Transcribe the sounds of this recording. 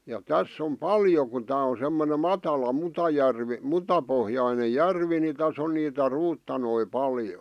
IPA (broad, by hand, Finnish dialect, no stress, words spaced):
jɑ tæsː om pɑljo ku tæː o semːone mɑtɑlɑ mutɑjærʋi mutɑpohjɑine jærʋi ni tæs on niːtæ ruːtːɑnoi pɑljo